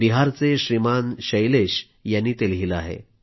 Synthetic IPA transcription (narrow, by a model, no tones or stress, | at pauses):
iɦaɾt͡seɕɾimanɕəjleɕ | janːiːt̪elɦila̰ɦḛ